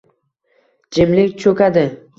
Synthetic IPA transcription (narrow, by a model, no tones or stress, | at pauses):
d͡ʒɪmlɪkʲt͡ʃʰɵkʲad̪ɪ